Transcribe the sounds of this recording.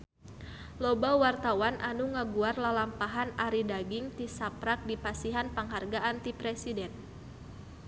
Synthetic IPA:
lobawart̪awanʔanuŋaɡuarlalampaɦanaɾidaɡɪŋt̪isapɾak̚dipasiɦanpaŋɦarɡaant̪ipɾɛsidɛn

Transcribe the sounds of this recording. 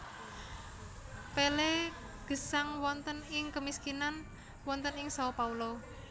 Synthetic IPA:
pele | ɡ̥ə̤saŋwɔnt̪ənɪŋkəmiskinan | wɔnt̪ənɪŋsapaulo

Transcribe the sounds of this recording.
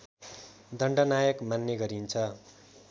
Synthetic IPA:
d̪ʱʌɳɖʌnajʌkmanːjʌɡʌɾint͡sʰʌ

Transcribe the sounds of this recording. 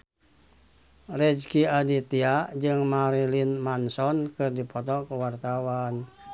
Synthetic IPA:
rɛd͡ʒkiadit̪iaʔd͡ʒɨŋmaɾilinmansɔnkɨrdipɔt̪ɔkuwart̪awan

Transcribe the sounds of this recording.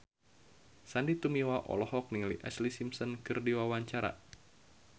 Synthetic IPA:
sandit̪umiwaʔɔ̰lɔhɔk̚niŋliʔaslisimsɔnkɨrdiwawaɲt͡ʃaɾa̰

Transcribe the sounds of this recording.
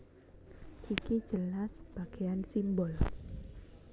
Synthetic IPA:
ʔiki̥d͡ʒəlasb̥aɡ̥ejansimbɔl

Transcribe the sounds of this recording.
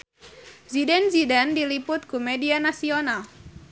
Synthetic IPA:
zidɛnzidɛndilipʊt̪̚kumedianasional

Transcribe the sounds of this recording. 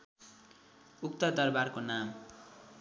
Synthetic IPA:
ukt̪ʌd̪ʌrbarkonam

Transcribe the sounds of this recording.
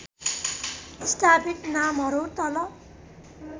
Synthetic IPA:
isʈapitnamɦʌɾut̪ʌlʌ

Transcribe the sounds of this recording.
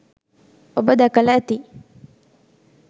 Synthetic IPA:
obəd̪akalat̪i

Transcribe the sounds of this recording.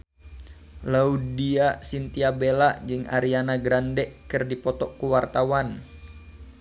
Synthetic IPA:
laudiasint̪iabelad͡ʒɨŋʔa̰ɾianaɡɾandɛʔkɨrdipɔt̪ɔkuwart̪awan

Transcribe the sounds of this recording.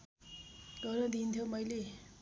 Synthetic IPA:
ɡʌɾʌd̪int̪ʰjomʌjle

